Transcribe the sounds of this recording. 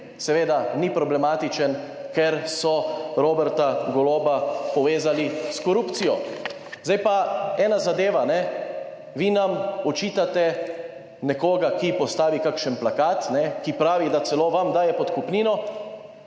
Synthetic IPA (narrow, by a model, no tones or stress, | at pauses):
sɛʋeːd̪anipɾɔblɛmaːt̪it͡ʃən | kɛɾsɔɾoːbɛɾt̪aɡɔloːbapɔʋeːzaliskɔɾuːpt̪sijɔ | zd̪ajpaɛːnazad̪eːʋanɛ | ʋinamɔt͡ʃiːt̪at̪ɛ | nɛkoːɡakipɔst̪aːʋikakʃənplakaːt̪nɛkipɾaːʋid̪at̪sɛloːʋamd̪aːjɛpɔt̪kupniːnɔ